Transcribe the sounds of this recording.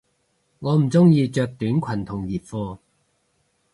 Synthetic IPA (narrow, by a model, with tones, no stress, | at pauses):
ŋɔː˨˧m̩˨˩t͡sʊ˥ŋjiː˧t͡ʃœː˧k̚t̪yː˨˥nkʷʰɐ˨˩nt̪ʰʊ˨˩ŋjiː˨˩p̚fɔː˧